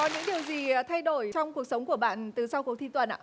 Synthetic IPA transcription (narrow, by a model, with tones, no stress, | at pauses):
ɔ˨˦ɲɨ̰˧˥ŋɗi˨˩əwzi˨˩t̪ʰa˧jɗo˧˩jt͡ɕɔ˧wŋ͡mku˨˩ək̚sə˨˦wŋ͡mku˧˩əɓa̰ː˧˨nt̪ɨ˨˩sa˧wku˨˩ək̚t̪ʰi˧t̪wə˨˩nʔa̰ː˧˨˩